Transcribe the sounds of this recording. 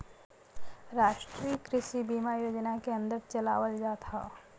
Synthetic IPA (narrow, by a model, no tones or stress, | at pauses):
ɾaːʃʈɾikɾɪʃibimajoːd͡ʒnakeɐ̃nd̪əɾt͡ʃəla̰ːʋəld͡ʒaːt̪ʰa̰